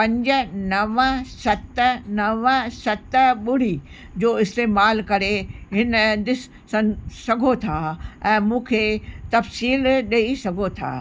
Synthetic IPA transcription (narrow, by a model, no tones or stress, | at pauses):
pɐ̃ɲd͡ʑə̆nɐʋəsɐt̪nɐʋəsɐt̪ɓʊɽ̤i | d͡ʑoːɪst̪eːmaːlkɐɾeɦɪnd̪ɪs | sɐ̃sɐɡʱot̪ʰaːɛ̃ːmũːkʰeːt̪ɐfsiːlɗɐisɐɡʱot̪ʰa̰ː